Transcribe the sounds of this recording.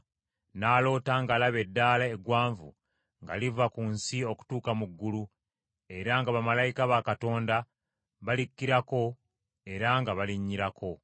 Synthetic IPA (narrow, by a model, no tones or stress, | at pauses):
naːlo̞ːtaŋɡalaβe̞dːaːlaeɡwaːɱvṵ | ŋɡa̰livakunsio̞ku̥tuːkamuɡːulu | e̞ɾaŋɡaβamalajikaβakato̞ːnda | βalikːiɾako̞ | e̞ɾaŋɡaβaliɲːiɾakʰo̞